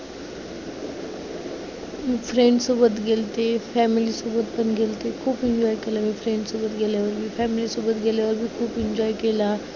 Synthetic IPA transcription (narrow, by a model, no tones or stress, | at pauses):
fɾẽɳɖsuːbət̪ɡeːlt̪efʰɛːmilisuːbət̪̚bənɡeːlt̪ekʰuːbɪ̃ɲd͡ʒɔːjkelamẽfʰɾẽɳɖsubət̪ɡeːleɔːɾbʱifɛːmɪlisuːbət̪̚ɡeːleɔːɾbʱikʰuːbɪ̃ɲd͡ʒɔːikelaː